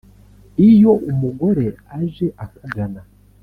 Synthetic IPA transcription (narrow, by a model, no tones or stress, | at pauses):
ijo̞ʔumuɡo̞ɾe̞ | aʒe̞ʔakuɡana